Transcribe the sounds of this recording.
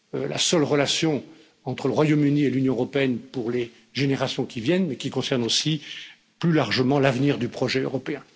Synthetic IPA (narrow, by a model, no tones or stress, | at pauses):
la̰sœlʁəlasjɔ̃ | ɑ̃t̪χələʁwajomynielynjɔ̃øʁɔpeɛnpuʁle | ʒeneʁasjɔ̃kʲivjɛnmɛkʲikɔ̃sɛʁnosi | plylaʁʒəmɑ̃lavniʁd̪ypχɔʒɛø̰ʁɔpeɛ̃